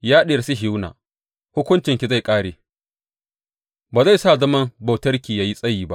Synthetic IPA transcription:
jaː˦ɗe˨si˦ɦɪ˦wna̰ː˨ | hʊ˦kʷʊ˦nt͡ʃɪ˨ŋkʲi˨za˦˨jkʼaː˦ɽeː˨ | baː˨za˦˨jsaː˦˨zɐ˦mɐ˦mba˨tɐ˦rkʲiː˨jaː˦ji˦sʼɐ˦jiː˨ba̰˦ʔ

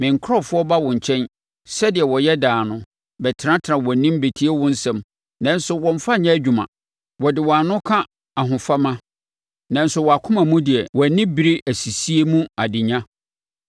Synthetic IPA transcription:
mɪ̃˨ŋ̩˨kʰɾɔ˦fʊ˦ɔ˦ba˦wɔ̃˨ɲ̩˨t͡ɕʰɛ̃˦n | sɛ˦dɪ˨ɛ˨wɔ˨jɛ˦daː˨nʊ̃˦ | bɛ˨tʰɪ˨ɾã˦tʰɪ˨ɾã˨wɔ̃˨nĩ˦m˦be˨tʰi˦e˦wʊ̃˦n̩˦sɛ̃˨m | nã˦n˦sʊ˨wɔ̃˨ɱ˦fa˦ɲã˦æ˦d͡ʑᶣu˨mã̰˨ | wɔ˨dɪ˨wɔ˨a˨nʊ̃˦kʰã˦ | a˨ɦʊ̃˨fa˦mã˦ | nã˨n̩˦sʊ˨wɔ˨a˨kʰʊ̃˦mã˨mũ˦dɪ˨ɛ˨wɔ˨nɪ̃˦bi˦ɾi˦ʔæ˨si˨si˦e˦mũ˦a˨dɪ̃˨ɲã˦

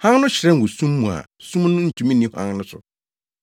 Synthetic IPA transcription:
hã˦ŋnʊ̃˦ɕɪ˨ɾɛ̃˦ŋ̩˨wʊ˨sũ˦mːũ˨a̰˨sũ˦mnʊ̃˦n̩˨tʰũ˨mĩ˦nĩ˨˦hã̰˦ŋnʊ̃˦sʊ̰˨

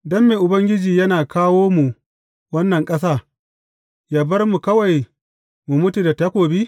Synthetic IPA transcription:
dɔ˦mːeː˨ʔʊ˨bɐ˦ŋɡʲɪ˦d͡ʒiː˨jɐ˦naː˨kʰaː˦woː˦mu˨ | wɐ˦nːɐ˨ŋkʼɐ˦s̬aː˦˨ | jaː˨bɐ˦rmu˨kɐ˦wa˨j | mu˨mʊ˦tu˨da˨tɐ˦kʷoː˨biː˦

